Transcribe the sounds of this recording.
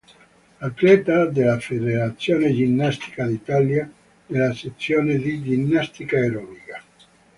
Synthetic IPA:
at̪lɛt̪ad̪elafeðeɾat̪sːjoned͡ʒinːast̪i̥kad̪it̪alja | elaset̪sːjoned̪id͡ʒinːast̪ikaeɾɔnika

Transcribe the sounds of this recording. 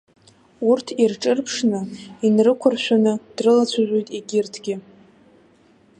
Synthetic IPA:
urtʰirʈ͡ʂʼɨrpʰʂnɨinrɨkʷʰʊrʃʷᶣanɨd̥rɨlat͡ɕʷʰaʒᶣʷo̞jtʼiɡʲɪrtʰɡʲɪ

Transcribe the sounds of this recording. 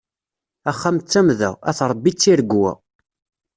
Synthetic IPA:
æχːamt͡sːæmðæ̰æ̰θɾˤəbːit͡sːiɾəɡwæ̰

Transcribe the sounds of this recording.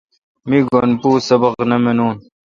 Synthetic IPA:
miɡonpuːsɐbɐqnɐmenuːn

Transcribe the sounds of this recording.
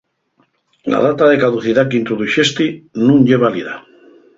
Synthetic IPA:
la̰ðat̪aðekaðuθiðakeint̪ɾoðuʃest̪inũŋʎeβ̞aliða̰

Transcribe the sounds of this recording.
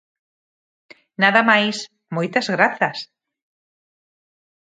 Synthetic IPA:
naðɐmajs | mojt̪ɐzɣɾaθɐs

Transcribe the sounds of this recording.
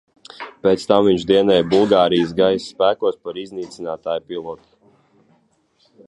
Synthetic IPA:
pet̪st̪amviɲʒd̪iɛnɛjbulˠɡaːɾijsɡajsːpæːkuɔspaɾizniːt̪sinaːt̪aːjpilˠɔɔt̪u̥

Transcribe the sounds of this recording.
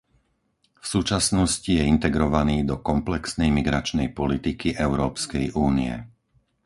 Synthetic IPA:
fsuːt͡ʃasnɔscijɛint̪ɛɡɾɔʋaniːd̪ɔkɔmplɛksnɛjmiɡɾat͡ʃnɛjpɔlit̪ikiʔɛʊɾɔːpskɛjʔuːnḭɛ̰

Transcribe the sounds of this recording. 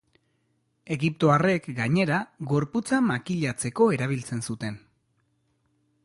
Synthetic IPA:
e̞ɣip̚t̪o̞are̞kɡaɲe̞ɾaɡo̞ɾput͡samakiʎat͡se̞ko̞e̞ɾaβ̞ilt͡se̞nsut̪e̞n

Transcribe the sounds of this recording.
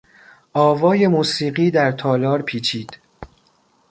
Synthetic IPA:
ʔɒːvɒːje̞muːsiːɢiːd̪æɾt̪ʰɒːlɒːɾpʰiːt͡ʃʰiːd̪̥

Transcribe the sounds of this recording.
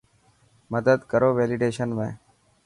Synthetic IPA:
məd̪əd̪kəɾoːʋeːlɪɖeːʃənʋḛ̃ː

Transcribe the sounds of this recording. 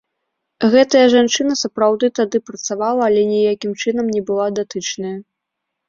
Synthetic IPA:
ɣɛt̪ɐjɐʐant͡ʂɨnɐsɐpɾawd̪ɨt̪ad̪ɨpɾɐt̪savalˠɐːlʲɛnʲɛjakʲimt͡ʂɨnɐmnʲɛbɨlˠad̪at̪ɨt͡ʂnɐjɐ

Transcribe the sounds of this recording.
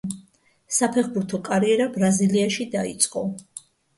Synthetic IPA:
sapʰɛχbuɾt̪ʰɔkʼaɾiɛɾabɾaziliaʃid̪aḭt̪sʼqʼɔ

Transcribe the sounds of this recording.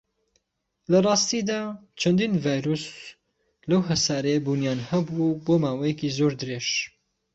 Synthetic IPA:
lɐrˤɑːst̪iːd̪aːt͡ʃʰɐnd̪iːnvaːjɾus | lɐwɦɐsaːɾejbuːnjaːnhɐbuboːmaːwɐjɛkizoːɾd̪ɨɾeʃ

